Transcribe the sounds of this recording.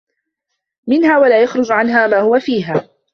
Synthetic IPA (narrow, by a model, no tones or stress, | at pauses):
mɪnhaːwalaːjaxɾˤʊd͡ʒʕanɦaːmaːhʊwafiːɦaː